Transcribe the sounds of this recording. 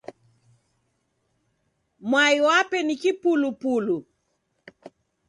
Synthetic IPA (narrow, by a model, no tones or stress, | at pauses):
mwaiwapɛnikipulupulu